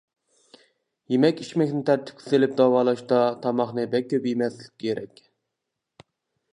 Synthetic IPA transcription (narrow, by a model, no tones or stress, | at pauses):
jemɛkʲiʃmɛkʲnɪt̪ʰɛɾt̪ʰːɪ̥pkʲʰy̥selɪp̚d̪ɑwɑːlˠɑʃd̪ɑt̪ʰɑmɑχnɨbɛkʲʰːøpjemɛslɪ̥kʲːʰeɾɛkʲ